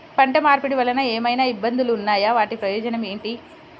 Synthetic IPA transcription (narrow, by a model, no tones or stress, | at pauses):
pɐɳʈɐmaːɾpuɽiʋɐlːɐnɐeːmɐjnaːibːɐnd̪uluːnːaːjaːʋaːʈipɾɐjɔːd͡ʒɐnɐme̞ːɳʈi